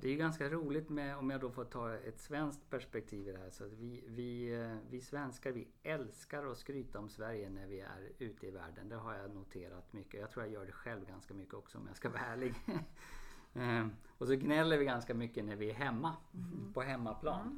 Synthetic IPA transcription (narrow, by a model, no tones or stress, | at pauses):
d̪ɛæjɵɡanskaɾuːlɪt̪mɛɔmjad̪ɔfɔt̪ʰːɑːɛt̪svɛnsk̚t̪pʰæʂpɛk̚t̪ʰiːvɪd̪ɛɦæːʂɔat̪vɪvɪvɪsvɛnskaɾvɪ | ɛlskaɾɔskɾyːt̪aɔmsvæɾjənæɾvɪæ̰ɾʉ̟ːt̪ʰəɪvæ̰ːɖənd̪æɾɦaɾjanʊt̪ʰeːɾa̰t̪mʏkːəɔjaɡt̪ʰɾuːɾjajœːɖɛɧɛlvɡanskamʏkːəɔksɔɔ̰mja̰skavæːɭɪɡ | ɔsɔɡnɛlːəɾvɪɡanskamʏkːənæɾvɪæɾɦɛmːapʰɔɦɛmːapʰlɑːn